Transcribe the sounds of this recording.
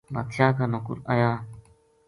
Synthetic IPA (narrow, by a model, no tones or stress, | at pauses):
ba̰t̪ʰjakanõkṵɾa̰ja